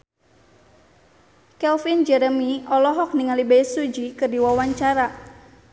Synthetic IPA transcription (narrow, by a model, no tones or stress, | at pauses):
kɛlfind͡ʒɛɾəmiɔlɔɦɔk̚niŋalibɛisud͡ʒikɨrdiwawaɲt͡ʃaɾa